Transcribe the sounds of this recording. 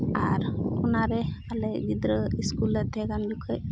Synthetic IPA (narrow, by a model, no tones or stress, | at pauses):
aɾunaɾealed͡ʒid̪ɾəiskuləɛɡanlukʰəj